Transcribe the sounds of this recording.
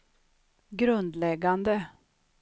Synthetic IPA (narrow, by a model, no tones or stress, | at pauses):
ɡɾɵnd̪lɛɡːand̪ə